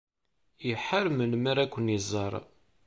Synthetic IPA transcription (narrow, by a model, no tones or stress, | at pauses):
jəħaɾmənməɾækʷːənizˤːɑɾˤ